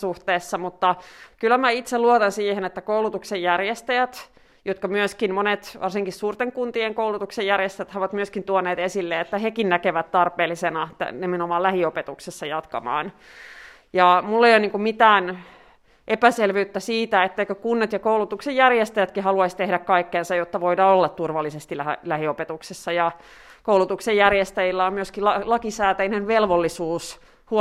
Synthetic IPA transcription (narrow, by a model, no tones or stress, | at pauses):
suht̪eːsːɑmut̪ːɑkylːæmæit̪seluot̪ɑnsiːhenet̪ːækoulut̪uksejjærjest̪æjæt̪ | jot̪kɑmyøskinmonet̪ʋʔɑ̰rsiŋkissuːrt̪eŋkunt̪ieŋkoulut̪uksejjærjest̪æjæt̪hɑʋɑt̪myøskint̪uoneːt̪esilːeet̪ːæɦekinnækeʋæt̪t̪ɑrpeːlːisenɑt̪æ̰nemenomɑːlæhiopet̪uksesːɑjɑt̪kɑ̰mɑ̰ːn | jɑmulːeijonniːŋkummit̪æːn | ʔepæselʋyyt̪ːæsiːt̪æet̪ːeikøkunːet̪jɑkoulut̪uksejærjest̪æjæt̪kihɑluɑist̪ehdækkɑikːeːnsɑjot̪ːɑʋoidɑːolːɑt̪t̪urʋɑlːisest̪ilæ̰læhiopet̪uksesːɑjɑ | koulut̪uksejjærjest̪æjilːæommyøskiɑlɑkisæːt̪æinenʋelʋolːisuːs | hu